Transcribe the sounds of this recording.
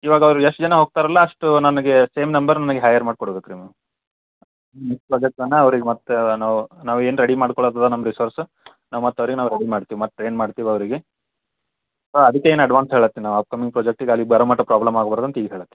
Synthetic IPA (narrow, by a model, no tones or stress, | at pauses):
iːʋaːɡɐɐʋɾueʂʈd͡ʒɐnɐɦoːɡ̚t̪aːɾɐlːɐɐʂʈunɐnɐɡese̞ːmnɐmbɐɾnɐnɐɡeɦɐjɐɾmaːɖ̚koɽobek̪ɾimi | nmekspɾoːd͡ʒek̚ʈɐnːɐɐʋɐɾiɡemɐt̪ːenaːʋunaːʋueːnɾeɽimaːɽkɔɭod̪ad̪anɐmːɐɾisoːɾs | naːʋumɐt̪ːɐʋɐɾiɡenaːʋuɾeɽimaːɖt̪iːʋimɐt̪̚ːʈɾe̞ːnmaːɖt̪iːʋiɐʋɐɾiɡe | soɐd̪ikːeeːnɐɖʋaːnsɦeɭɐt̪ːenaːʋaːp̚kɐmiŋɡpɾoːd͡ʒek̚ʈiɡalːibɐɾɐmaʈːɐpɾaːblɐmaːɡbɐɾd̪ɐnt̪ɐiːɡɦeːɭɐt̪ːe̥